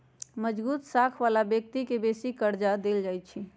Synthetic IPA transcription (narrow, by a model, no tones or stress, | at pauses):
məd͡ʒbuːt̪sakʰʋalabjək̚t̪ikebesikəɾd͡ʒad̪eld͡ʒajt͡ʃʰi